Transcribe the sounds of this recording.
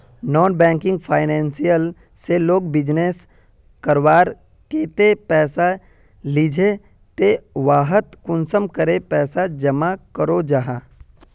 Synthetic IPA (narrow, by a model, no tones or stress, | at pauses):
nɔːnbɛ̃ːŋkɪ̃ŋɡpʰaːɪnɛ̃ːnsijəl | seloːɡ̚bɪd͡ʒneːs | kəɾwaːɾ | keːt̪epɛːsa | lid͡ʒʱe | t̪eʋaːɦət̪kʊnsəmkəɾepɛːsad͡ʒəmakəɾod͡ʒaːɦaː